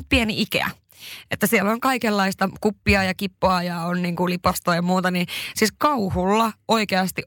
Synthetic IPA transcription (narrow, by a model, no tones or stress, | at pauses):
t̪̚pieniʔikḛæ̰ | ʔet̪ːæsieloŋkɑikelːɑist̪ɑkupːiɑjɑkipːoɑjɑonniːŋkulipɑst̪oːjɑmuːt̪ɑnisiːskɑuhulːɑoikeɑst̪iʔ